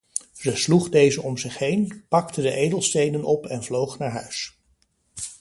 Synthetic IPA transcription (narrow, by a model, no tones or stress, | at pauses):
zəsluχdejzəʔɔmzɪχɦejnpɑktədəʔejdəlˠstejnənɔpɛnvlowχnaːɹɦœɥs